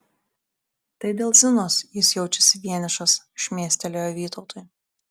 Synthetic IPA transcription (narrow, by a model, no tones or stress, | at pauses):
t̪ɐɪd̪ʲeːlˠzʲɪnoːsjɪsjɛʊt͡ʃʲɛsʲɪʋʲiɛnʲɪʃɐs | ʃʲmʲeːsʲt̪ʲɛlʲoːjɔʋʲiːt̪ɒʊt̪oj